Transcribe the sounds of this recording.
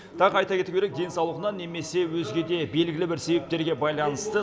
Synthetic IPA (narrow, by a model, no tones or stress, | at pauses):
t̪ʰɑqɑjt̪ɑkʲʰe̞t̪ukʰʲe̞ɾek̚d̪e̞nsɑwlˠəʁənɑnːe̞me̞se̞wɵzɡʲe̞d̪e̞be̞lɡʲɪlɪbɪɾse̞bep̚t̪e̞ɾɡʲe̞bɑjlˠɑnəst̪ə